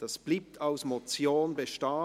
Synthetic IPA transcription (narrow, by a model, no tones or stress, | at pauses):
d̥asb̥liːp̚tʰaʊsmot͡sjoːnbeʃtaː